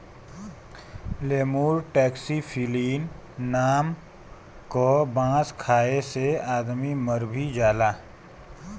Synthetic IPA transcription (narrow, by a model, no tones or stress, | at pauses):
leːmuːɾʈɛːksipʰiːliːnː | aːm | kobãːskʰaːeseaːd̪miməɾbʱid͡ʒaːlaː